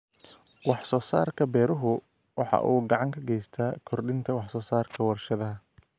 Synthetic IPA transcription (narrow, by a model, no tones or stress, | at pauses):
wɑħsɔːsa̰ːrkʰɐbɛːɾʊɦʊ | wɑħɑ̰ʔuːɡɑʕɑŋkʰɐɡɛjst̪ʰaːkʰɔrɖɪnt̪ʰɐwɑħsɔːsaːrkʰɐwɐrʃɐðɐɦɐ